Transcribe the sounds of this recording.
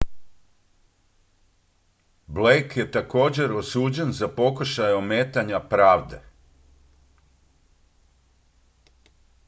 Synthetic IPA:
blejkje̞t̪ako̞ːd͡ʑe̞ɾo̞suːd͡ʑe̞nzapo̞kuʃajomeːt̪aɲapɾaːʋd̪e̞̰

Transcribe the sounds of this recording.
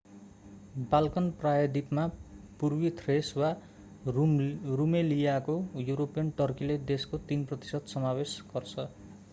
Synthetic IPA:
balkʌnprajʌd̪ipmapurbit̪ʰreswa | rumelijakojuɾopijʌnʈʌrkiled̪eskot̪inprʌt̪i̥sʌd̪sʌmawesɡ̥ʌrt͡sʰʌ

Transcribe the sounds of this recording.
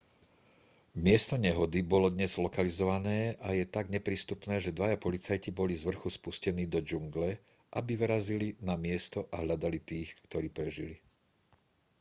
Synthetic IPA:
mɪɛst̪ɔɲɛɦɔd̪ibɔlɔd̪ɲɛz̥lɔkalizɔʋanɛːʔajɛt̪aɡɲɛpɾiːst̪upnɛːʒɛd̪ʋajapɔlit͡sajcibɔlizʋr̩xuspuscɛniːd̪ɔd͡ʒuŋɡlɛ | ʔabiʋɾazilinamɪɛst̪ɔʔaɦʎad̪alit̪iːxkt̪ɔɾiːpɾɛʒḭli

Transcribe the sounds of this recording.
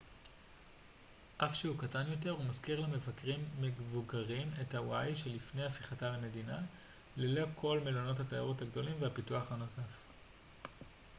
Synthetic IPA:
ʔafʃehukatanjo̞t̬e̞ʁhumazkiʁlame̞vakʁimːevuɡaʁime̞thawajʃe̞lifne̞jafiχataleme̞dina | lelo̞kʰo̞lmelono̞thatajaʁothaɡdo̞limvehapituaχhano̞saf

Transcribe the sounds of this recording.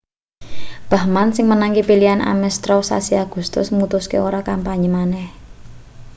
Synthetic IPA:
b̥a̤hmansɪŋmənaŋkipiliana̰mɛst̪ɾɔsa̰siaɡ̥ṳst̪ʊsmut̪uskeoɾakampaɲimanɛh

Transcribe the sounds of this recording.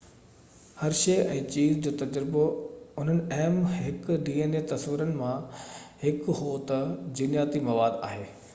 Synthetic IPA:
hɐɾʃeːʔɛ̃ːt͡ɕiːzd͡ʑoːt̪ɐd͡ʑɾboʊn̤ənɪ̆ɛɦmɦɪkɖiːeːnet̪ɐsʋɪɾənɪ̆mãhɪkɦoːt̪d͡ʑinjaːt̪imɐʋaːd̪a̰ːɦeː

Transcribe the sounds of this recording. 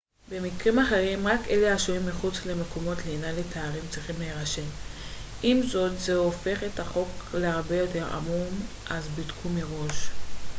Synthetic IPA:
be̞mikʁimaχe̞ʁimʁake̞leaʃuimːiχut͡sle̞meko̞mo̞tlinaletʰeaʁimt͡sʁiχimleːʁaʃe̞m | ʔimzo̞tzeofe̞χetaχo̞kleaʁbe̞jo̞te̞ʁa̰mum | ʔazbidkʰumeʁo̞ʃ

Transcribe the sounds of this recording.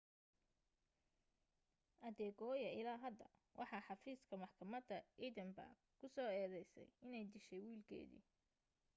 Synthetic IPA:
ʔɐðɛːɡɔːjɐɪlaːɦɐd̪ɐwʔɑ̰ħɑːħɑfiːskʰɐmɑħkʰɐmɐd̪ɐid̪ɛmbɐ̰rɡkʰʊsɔːɛːðɛjsɛ̰jɪnɛjd̪ɪʃɛjwiːlkʰɛ̰ːðḭː

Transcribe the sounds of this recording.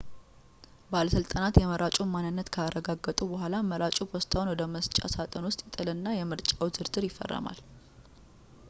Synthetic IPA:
baləsɨlt̪ʼanat̪jɛməɾʔat͡ʃʼumanːɨnːət̪kʰəaɾəɡaɡːət̪ʼubəɦʷalaməɾʔat͡ʃʼupʰost̪ʰʼawnwɔd̪əməst͡ʃʼa̰sat̪ʼənwʊst̪ʼjɛt̪ʼɨlɨnːajɛmɨɾt͡ʃʼawzɨɾd̪ɨɾjɪfːə̰rːə̰ma̰l

